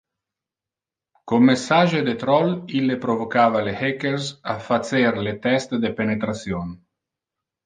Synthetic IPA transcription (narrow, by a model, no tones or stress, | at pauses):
komːesaʒed̪et̪ɾɔlilːepɾovokaːvalehekeɾsafat̪sɛɾlet̪ɛst̪d̪epenet̪ɾasjon